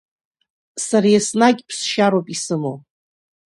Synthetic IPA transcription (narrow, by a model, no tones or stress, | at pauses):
saɾajasnaɡʲpʰsʃaɾwapʼisɨmo